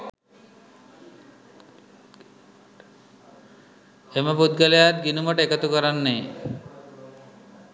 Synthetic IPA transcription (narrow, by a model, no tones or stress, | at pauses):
eməpud̪̚ɡalejat̪̚ɡinuməʈəekət̪ukɔɾanːe